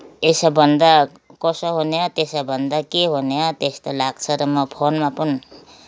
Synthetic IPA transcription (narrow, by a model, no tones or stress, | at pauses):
esʌbʱʌnd̪a | kʌsʌɦuneɦʌt̪esʌbʱʌnd̪akeɦunejʌt̪est̪olaɡt͡sʰʌɾʌmʌpʰonmapʌn